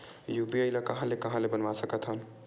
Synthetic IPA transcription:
jupiəɪlakəɦãlekəɦãlebənʋasəkət̪ɦəl

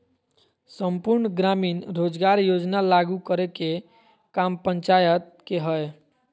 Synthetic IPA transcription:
səmpuɾnəɡɾaminɾod͡ʒɡaɾjod͡ʒnalaɡukəɾeke | kampəɲt͡ʃajət̪̚keɦəj

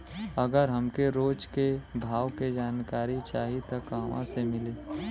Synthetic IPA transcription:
ɐɡəɾɦɐmkeɾoːd͡ʒkebʱaːʋked͡ʒaːnkaːɾit͡ʃaːɦit̪ɐkaʋã̰semɪleː

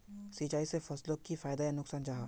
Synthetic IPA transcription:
sit͡ʃaːisefɐslokifaːjd̪ajanʊksaːnd͡ʒaːɦaː

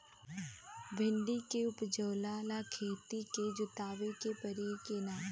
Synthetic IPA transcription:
ʋẽɳɖiːkeʊpd͡ʒəːlaːlaːkʰeːt̪iːkeːd͡ʒʊt̪aːʋekeːpəɾiːkeːnaː

